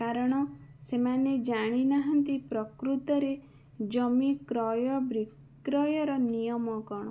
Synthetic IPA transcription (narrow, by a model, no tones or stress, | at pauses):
kaɾɔɽ̃ɔsemaned͡ʒaɽ̃inaɦɔnt̪ipɾɔkɾut̪ɔɾe | d͡ʒɔmikɾɔjɔbɾik | ɾɔjɔɾɔnijɔmɔkɔɽ̃ɔ